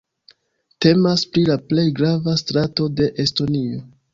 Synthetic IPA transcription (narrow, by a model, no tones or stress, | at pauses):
te̞maspɾilaple̞jɡɾavastɾato̞de̞ʔesto̞nio̞